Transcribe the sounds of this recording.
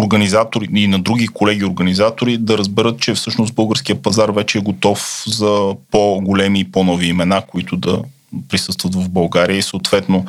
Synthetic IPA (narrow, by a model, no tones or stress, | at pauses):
oɾɡɐnizat̪oɾiinɐd̪ɾuɡikolɛɡʲiʊɾɡənizat̪oɾid̪ɐɾəzbɛɾət̪̚t͡ʃɛfsɤʃnʊsbɤlˠɡəɾsk̟iəpɐzaɾvɛt͡ʃɛːɡot̪ɔfzɐpoɡolɛmiːpɔnɔviːmɛnakoit̪ʊd̪ɐ | pɾisɤst̪vət̪vɐvbɐlˠɡaɾijəisəot̪vɛt̪no